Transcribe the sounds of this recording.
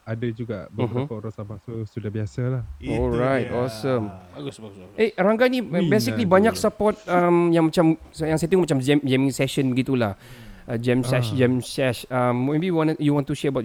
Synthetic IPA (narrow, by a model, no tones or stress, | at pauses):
adad͡ʒuɡaʔbəɦapɔɾasabasusudabiasəlahɔlɹajtɔsə̃m | ʔeɾaŋɡanibesikklibaɲak̚səpɔt̪̚əmjaŋmat͡ʃamsəjaŋsɛt̪ĩŋmat͡ʃamd͡ʒɛmd͡ʒɛmĩŋsɛʃənbəɡit̪ulahʔd͡ʒɛmsɛʃd͡ʒɛmsɛʃammebiwiwɔ̃njuwɔ̃nt̪uʃɛəbat